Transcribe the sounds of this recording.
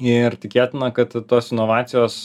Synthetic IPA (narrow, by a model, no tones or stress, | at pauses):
ɪrt̪ʲɪkʲeːt̪ʲɪnɐkɐt̪t̪oːsɪnoːʋɑːt̪sʲɪjoːs